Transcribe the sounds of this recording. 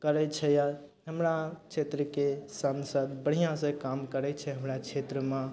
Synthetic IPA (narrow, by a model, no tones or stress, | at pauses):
kəɾɛt͡ʃʰɛjaɦəmɾat͡ʃʰet̪ɾəkesənsəd̪̚bəɽ̤ijãsə̃kamkəɾɛt͡ʃʰɛɦəmɾat͡ʃʰet̪ɾəmã